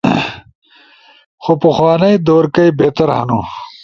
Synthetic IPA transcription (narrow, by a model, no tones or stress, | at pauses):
xopɐxwɑːnɐjd̪oːɾkɐjbeːt̪ɐɾha̰nu